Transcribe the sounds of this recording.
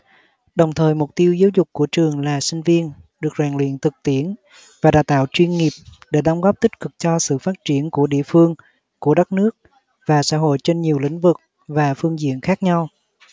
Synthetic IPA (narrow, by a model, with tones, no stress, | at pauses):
ɗə˨˩wŋ͡mt̪ʰəː˨˩jmʊ˨˩k͡p̚t̪i˧əwzaː˨˦wzʊ˨˩k͡p̚kːu˧˩ət͡ɕɨ˨˩əŋlaː˨˩sï˧ŋ̟vi˧ənɗɨ˨˩ək̚zaː˨˩ŋlḭ˧˨ənt̪ʰɨ˨˩k̚t̪i˧˩ən | vaː˨˩ɗaː˧˩wt̪a̰ː˧˨wt͡ɕwi˧ənŋi˨˩əp̚ɗe˧˩ɗə˨˦wŋ͡mɣɔ˦˥p̚t̪ï˦˥t̚kɨ˨˩k̚t͡ɕɔ˧sɨ̰˧˨faː˦˥t̚t͡ɕi˧˩ənku˧˩əɗḭ˧˨əfɨ˧əŋ | ku˧˩əɗa˦˥k̚nɨ˦˥ək̚ | vaː˨˩sa̰ː˧˥ɦo̰˧˨jt͡ɕe˧nɲi˨˩əwlḭ˧˥ŋ̟vɨ˨˩k̚ | vaː˨˩fɨ˧əŋzḭ˧˨ənxaː˦˥k̚ɲa˧w